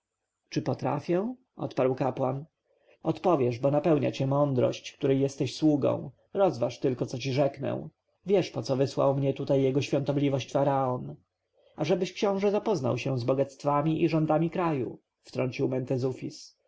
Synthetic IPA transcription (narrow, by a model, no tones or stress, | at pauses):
t͡ʂɘpɔt̪ɾa̰fʲjɛ̃ | ʔɔ̰t̪paɾwkapwan | ɔt̪pɔvʲjɛʐbɔnapɛwɲa̰t͡ɕɛmɔnd̪ɾɔ̰ɕt͡ɕkt̪uɾɛjɛst̪ɛɕswuɡɔ̰̃w̃ | ɾɔzvaʂt̪ɘlkɔt̪sɔt͡ɕiʐɛknɛ̰w̃ | vʲjɛʂpɔt̪sɔvɘswa̰wmɲɛt̪ut̪ajːɛɡɔɕfʲjɔ̃nt̪ɔblʲivɔɕt͡ɕfaɾaɔn | aʐɛbɘɕkɕɔ̃w̃ʐɛzapɔzna̰wɕɛ̃zbɔɡat̪st̪famʲiʔiʐɔnd̪amʲikɾajṵ | ft̪ɾɔɲt͡ɕiwmɛnt̪ɛzufʲis